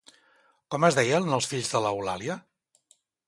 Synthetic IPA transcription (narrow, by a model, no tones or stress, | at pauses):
kɔməzðɛjənəlˠsfiʎzðələula̰liə